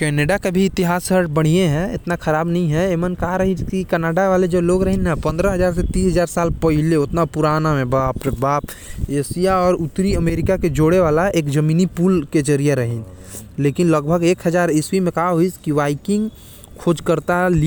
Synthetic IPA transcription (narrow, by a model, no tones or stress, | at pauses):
kɛːneɖakabʱiɪt̪ɪɦaːsəɾʈbəɽ̤ieɦɛ̃ɪt̪nakʰɐɾaːbnɐɦĩɦɛemənkaɦaɾɐɦikikɛːnaːɖaʋaːled͡ʒoloːɡɾɐɦẽnːapɐ̃nd̪ɾaɦɐzaːɾs̬et̪iːsɦɐzaːɾsaːlpəɦɪleʊt̪napʊɾaːnamẽbaːpbaːp | eːsijaɔːɾʊt̪ɾiəmeːɾɪkaked͡ʒoːɽeʋaːlaeːkd͡ʒɐmiːnipuːlked͡ʒəɾijeɾɐɦĩn | leːkɪnləɡbʱəɡeːkɦəzaːɾɪsʋimẽkaɦaɦuiskiʋaːɪkɪ̃ŋɡ | kʰoːd͡ʒkəɾt̪ali